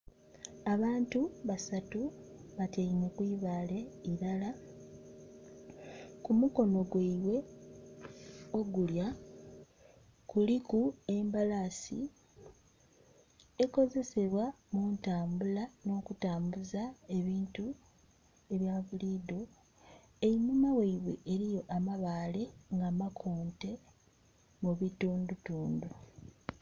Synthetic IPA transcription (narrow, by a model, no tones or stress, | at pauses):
aβaːntuβasatuβateinekwiːβaːle̞iɾala | kumuko̞no̞ɡweiwe̞ | o̞ɡulja | kulikue̞mbalasḭ | eko̞ze̞se̞βwa | muːntaːmbulano̞ːkutaːmbuzae̞βiːntu | e̞βjaβuliːdo | eimumaweiβwe̞̰ʔeɾijo̞ʔamaβaːle̞ŋɡaːmakʰuːnte̞ | muβituːndutuːndu